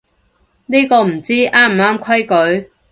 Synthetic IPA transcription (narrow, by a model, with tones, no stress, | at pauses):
niː˥kɔː˧m̩˨˩t͡siː˥ʔaː˥m̩˨˩aː˥mkʷʰɐ˥jkɵ˨˥ɥ